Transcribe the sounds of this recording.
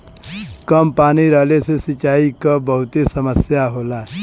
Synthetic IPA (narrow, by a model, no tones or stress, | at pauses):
kəmpañiɾəlesesit͡ʃaikəbəɦut̪esəməsjaɦola